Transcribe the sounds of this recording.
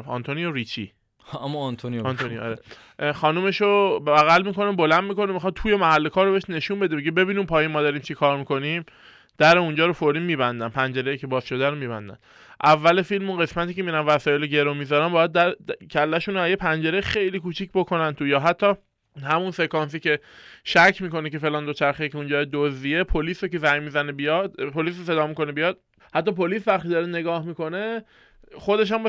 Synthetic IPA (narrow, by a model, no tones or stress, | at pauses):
fɒ̰nt̪ʰonijoɾit͡ʃʰḭ | æmːɔnt̪ʰoniɒnt̪ʰonijo̰ɾe | xɒːnume̞ʃobbæɣælmiko̞nebo̞lænd̪miko̞nemixɒd̪̚t̪ʰuːje̞mæɦælːe̞kʰɒːɾːoeeʃne̞ʃuːnbe̞d̪ebeɟebe̞biːniːmpʰɒːjinmɒːd̪ɒːɾiːmt͡ʃʰikʰɒːɾmiko̞nim | d̪̥æɾeund͡ʒɒːɾofoɾiːnmiːbænd̪ænpʰænd͡ʒe̞ɾejicʰebɒːzʃo̞d̪æɾomiːbæ̰nd̪æ̰n | ʔævːælefilmunɢe̞smæt̪ʰiːcʰemiɾænvæsɒːjeloɟe̞ɾomizɒɾæmbɒːjæd̪̚ːæɾcʰælːæʃuːnæjepʰænd͡ʒe̞ɾexe̞jliːkuːt͡ʃʰicbokʰo̞nænt̪ʰujɒːɦæt̪ʰːɒː | hæmunse̞kɒns̬iːce̞ʃæcʰːmiːko̞nece̞felɒːnd̪o̞t͡ʃʰæɾxecʰeũnd͡ʒɒːjed̪ozd̪iepʰoliːsocezæjmiːzænebijɒd̪pʰoliːs̬ose̞d̪ɒːmiko̞nebijɒːd̪̥̚ | hæt̪ːɒːpoliːsvæχt̪iːd̪ɒːɾene̞ɡɒːhmiko̞ne̞ | χo̞d̪e̞ʃ̬æmb